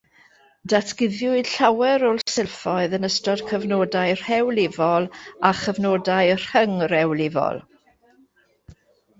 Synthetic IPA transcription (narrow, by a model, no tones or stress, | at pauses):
datʰɡ̥ɪðjʊɨd̥ɬawɛɾɔlˠsɪlˠfɔɨðənəstɔd̥kʰəvnoːdajr̥hɛwlɪvɔlˠaχəvnoːdajr̥həŋrɛwlɪvɔ̰lˠ